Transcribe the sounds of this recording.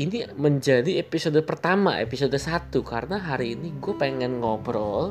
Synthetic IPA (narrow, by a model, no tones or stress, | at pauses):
iniməɲd͡ʒadiepisodopərt̪ama̰ʔḛpisodosat̪ukaɾənaɦaɾiːniɡuɛpeŋɛnŋɔbɾɔl